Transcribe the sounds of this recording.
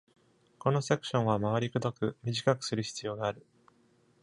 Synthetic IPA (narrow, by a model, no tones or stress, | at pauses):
ko̞no̞sekɯ̟̥ɕõ̞ɰ̃amaβ̞aɾʲikɯd̪okɯ̟mʲiʑikakɯ̟̥sɨɾɯ̟çi̥t͡sɨjo̞ːɡaːɾɯ̟